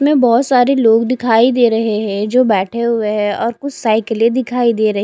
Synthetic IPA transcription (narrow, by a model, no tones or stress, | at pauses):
mẽbɔːt̪saːɾeloːɡd̪ɪkʰaːid̪eːɾɐɦeɦɛ̃d͡ʒoːbɛːʈʰeɦʊeɦɛ̃ɔːɾkʊt͡ʃʰsaːɪkled̪ɪkʰaːid̪eːɾɐɦ